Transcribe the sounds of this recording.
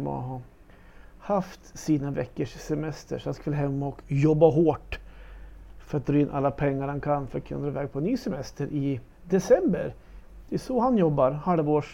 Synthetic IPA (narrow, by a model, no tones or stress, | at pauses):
mɔ̰ɦɑ | haft̪siːnavɛ̰kːəʂsɛmɛst̪ə̰ʂɔat̪skvɪlaɦɛmːaɔkjɔbːaɦoːʈ | fœɾat̪̚d̪ɾɑːɪnːʔalːapʰɛŋːaɾhankʰanːfœɾat̪̚kʰɵnad̪ɾɑːɪvɛːɡ̚pʰɔɛnːyːsɛmɛst̪əɾʔɪ | d̪ɛsɛmbəɾ | d̪̥ɛɛsɔhanjɔbːaɾhalvoːʂ